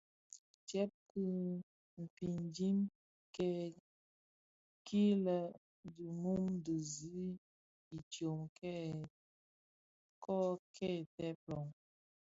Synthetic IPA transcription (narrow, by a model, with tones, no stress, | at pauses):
t͡ʃɛ˦p̚kə˦ | m̩˨pi˨nd͡ʒi˦m | kɛ˦ | kʰi˦lə˨ | di˨mu˦mdə˨zi˨˦ | i˨t͡ʃjo˨mkʰɛ˦˨ | kɔ˦kʰɛ˦˨tɛ˦plɔ˨ŋ